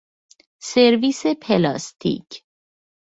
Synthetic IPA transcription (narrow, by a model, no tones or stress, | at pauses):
seɾviːsepʰelɒ̰ːst̪ʰḭːcʰ